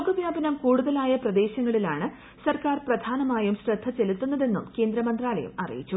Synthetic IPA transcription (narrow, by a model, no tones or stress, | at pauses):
ɡɐʋjaːbɐnɐmkuːɽuðɐlaːjɐprɐd̪e̞ːɕɐŋːɐɭilaːɳɨ | sɐrkaːrprɐd̪ʱaːnɐmaːjumɕrɐd̪ʰʱːɐt͡ɕelut̪ːunːɐðe̞nːṵmke̞ːnd̪ɾɐmɐnd̪raːlɐ̰jṵmɐ̰rḭjit͡ɕːu